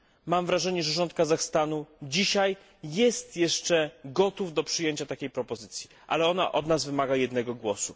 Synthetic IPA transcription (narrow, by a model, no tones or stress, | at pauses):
mamvɾaʐɛɲɛʐɛʐɔnt̪̚kazaxst̪anud͡ʑiɕaj | jɛst̪jɛʂt͡ʂɛɡɔt̪uvd̪ɔpʂɘjeɲt͡ɕat̪akʲejpɾɔpɔzɘt̪sʲji | ʔa̰lɛɔna̰ʔɔd̪nazvɘmaɡajɛd̪nɛɡɔɡwɔsu